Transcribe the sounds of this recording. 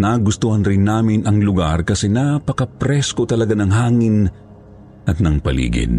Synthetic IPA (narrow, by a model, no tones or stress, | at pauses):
naɡʊst̪uhɐnɾɪnːaːmɪnʔɐŋlʊɡaɾkɐsɛnapɐkɐpɾɛskot̪ɐlɐɡanɐŋɦaːŋɪn | ʔɐt̪̚nɐŋpɐlḭːɡɪ̰d̪